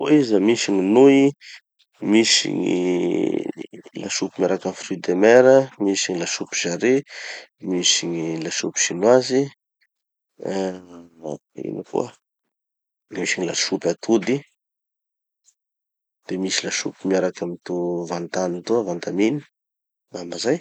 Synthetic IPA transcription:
oizəmisiɲinui | misḭŋḭ | la̰ʃupimaɾakanifrid̪emeɾəmisiɲilaʃupi̥ʒ̥aɾe | misiɲilaʃupi̥ʃinwazi | a̰ | ḭnikṵə | misiɲilaʃupʲat̪ʰud̪i | d̪̥emisilaʃṵpimiaɾakamit̪uvant̪anit̪uavant̪amini̥ | ambazaj

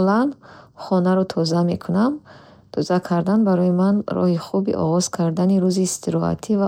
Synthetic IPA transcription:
lanχɔnaɾɔt̪ʰɔzame̞kʰunam | t̪ʰɔzakʰaɾd̪anbaɾɔjimanɾɔ̰hiχubḭʔɔ̰ʁɔz̥kʰaɾd̪aniɾuziːst̪ʰiɾɔa̰t̪ʰiva

